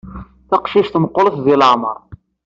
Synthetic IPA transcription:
θɑqʃiʃt̪məqːoləθðɪləʕmə̰ɾˤ

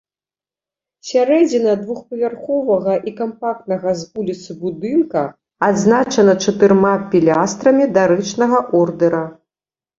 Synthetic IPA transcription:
sʲaɾɛd͡zʲinɐd̪vuxpɐvʲarxɔvɐɣɐʔikampak̚t̪nɐɣɐzvulʲit̪sɨbud̪ɨnkɐ | ad̪znat͡ʂɐnɐt͡ʂɐt̪ɨɾmapʲilʲast̪ɾɐmʲid̪aɾɨt͡ʂnɐɣɐʔɔrd̪ɛɾɐ

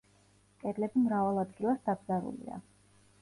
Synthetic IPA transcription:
kʼɛɾlɛbimɾavalˠad̪ɡilˠasd̪abzaɾṵlḭa̰

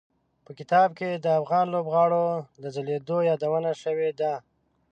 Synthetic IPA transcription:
pəkɪt̪ɑb̚ked̪əafɣɑnlobɣɑɽod̪əzaled̪ojɑd̪awənaʃəwed̪a

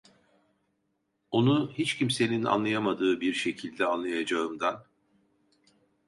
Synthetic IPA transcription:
o̞nuhit͡ʃcimse̞nina̰nlˠajamad̪ɯːbiɾʃe̞cʰilʲd̪ɛanlˠajad͡ʒaɯmd̪an

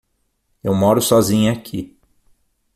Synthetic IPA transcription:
ewmɔɾʊsɔzĩɲɐakʰi

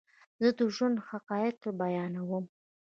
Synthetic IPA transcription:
zəd̪əʒand̪haqɑjɪt̪̚t̪əɾbajɑnawəm

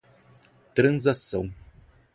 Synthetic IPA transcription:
t̪ɾɐ̃nzasɐ̰̃w̃

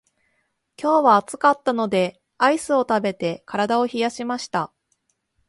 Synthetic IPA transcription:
kʲo̞ːβaːt͡sɨ̥kat̪ːano̞d̪e̞ | aisɨo̞t̪abe̞t̪e̞kaɾad̪ao̞çijaɕimaɕi̥t̪a

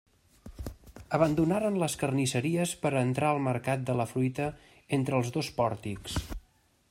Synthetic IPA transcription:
əβ̞ənd̪unaɾənləskərnisəɾiəspəɾənt̪ɾaəlˠməɾkat̪̚d̪ələfɾujt̪ə | ent̪ɾəlˠzðospɔɾt̪iks

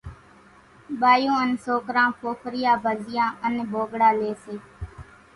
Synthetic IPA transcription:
ɓaːjõːənsoːkɾãːpʰoːfʰɾɪjãːbʱəzɪjãːənbʱoːɡɽaːleːseː

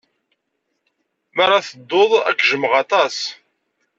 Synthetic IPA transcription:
məɾˤːɑθəd̪ːoðˤæ̰kːʒəmʁɑt̪ˤɑs

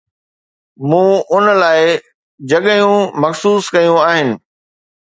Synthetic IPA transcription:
mũːʊnlaːɪ | d͡ʑɐɠəjũmɐxsuːskɐjũaːɦɪnɪ̆

